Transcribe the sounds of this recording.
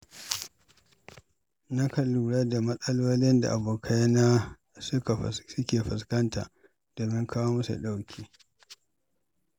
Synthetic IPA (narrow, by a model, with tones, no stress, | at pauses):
na˦kɐ˨lːuː˨ɽɐ˦da˨mɐ˦sɐ˦lwoː˦lɪ˦nda̰˨ʔa˨boː˨kʰa˦jnaː˦ | sʊ˦ka˨ɸsʊ˦kʲeː˨ɸɪ˨skɐ˦nta̰ː˨ʔ | d̥oː˨mɪ˦ŋkʰaː˦woː˦mɐ˦sṵ˨ɗa˦wkʲʰiː˦